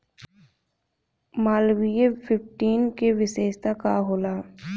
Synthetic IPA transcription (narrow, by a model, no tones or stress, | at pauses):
maːlwijepʰɪpʈiːnkeʋɪseːʃt̪akaɦoːlaː